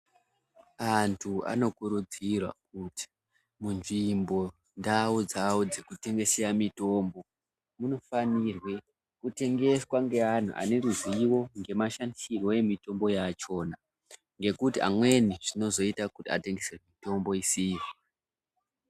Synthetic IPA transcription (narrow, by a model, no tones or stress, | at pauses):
antʰua̰no̞kuɾud͡zirwa̰k̚uti̥ | munʐimbo̞ | ndaud͡zawod͡ze̞kute̞ŋɡe̞sejamito̞mbo̞ | muno̞fanirwe̞ | kute̞ŋɡe̞swaŋɡe̞an̤ṵʔa̰ne̞ruziwo̞ŋɡe̞maʃandisirwo̞e̞mito̞mbo̞jat͡ʃo̞na | ŋɡe̞kutia̰mwe̞niʐ̥ino̞zo̞itakutia̰te̞ŋɡesemito̞mbo̞isiri